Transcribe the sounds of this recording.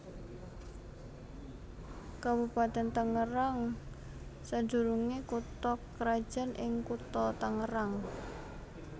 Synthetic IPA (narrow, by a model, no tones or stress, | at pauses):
kabupat̪ɛnt̪əŋəɾaŋ | sad̥d͡ʒṳɾuŋekut̪ɔkːɾad̥ʒ̥a̤nʔɪŋkut̪ɔt̪əŋəɾaŋ